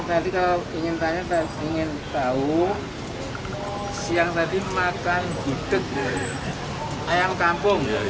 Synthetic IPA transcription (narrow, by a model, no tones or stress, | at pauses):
t̪adikalaiŋɪnp̪aɲat̪a | iŋɪn | t̪au | siaŋt̪adimakanɡud̪̥ək̚ | ajaŋkampʊŋ